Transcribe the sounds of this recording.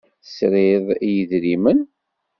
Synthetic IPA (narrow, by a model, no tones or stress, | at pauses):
sɾeðˤijəðɾimən